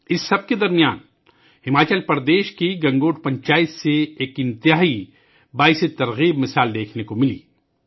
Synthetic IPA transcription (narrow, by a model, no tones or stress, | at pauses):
ɪsːɐb̚ked̪ɐɾmijaːn | hɪmaːt͡ʃəlpɐɾd̪eːʃkiɡɐ̃ŋɡoːʈ̚pɐ̃ɲt͡ʃaːɪt̪seeːkɪ̃nt̪ɪɦaːi | baːɪset̪ɐɾɣiːbmɪsaːld̪eːkʰnekomɪlḭː